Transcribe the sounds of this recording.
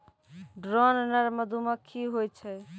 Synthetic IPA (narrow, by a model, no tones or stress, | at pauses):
ɖɾɔnnəɾməd̪ʱuməkʰːiɦojt͡ʃʰəj